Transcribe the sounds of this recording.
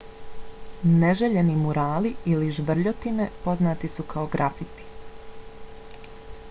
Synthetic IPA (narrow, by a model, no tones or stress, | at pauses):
neʒeʎe̞nimuɾaːliiliʒʋr̩ʎo̞t̪ine̞po̞znaːt̪isukʰao̞ɡɾʔafit̪i̥